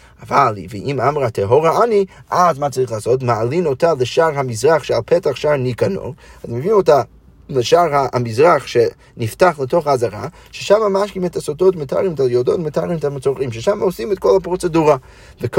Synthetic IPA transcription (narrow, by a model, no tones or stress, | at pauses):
avalˠveʔimamʁatʰeɦoʁaaniʔazmat͡saʁiχlaːsotmaalinotaleʃaʁɦamizʁaχʃealˠpʰɛtaχʃaʁnikano̰azmevimota | leʃaʁaamizʁaχʃe | niftaχlətoχaaːzaʁa̰ | ʃeʃamamaʃkimɛtasototmetʰa̰ʁimtʰajodotmetaʁimɛtamet͡soʁʁimʃeʃamaosimɛtkolˠhapʁot͡seduʁa | vek